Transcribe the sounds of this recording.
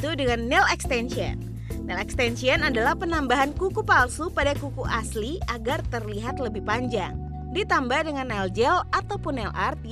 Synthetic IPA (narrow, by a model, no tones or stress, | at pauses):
t̪udəŋanːɛlɛkst̪ɛnʃiə̰nː | ɛlɛkst̪ɛnsiənadalahpənambaɦankukupalsupadakukuʔasliaɡart̪ərliɦat̪ləbɪhpaɲd͡ʒa̰ŋ | dit̪ambahdəŋanːɛld͡ʒɛlat̪awpunːɛlʔa̰rt̪̚